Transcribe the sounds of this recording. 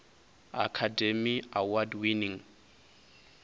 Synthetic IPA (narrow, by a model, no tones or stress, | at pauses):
a̰kʰademiawadwiniŋ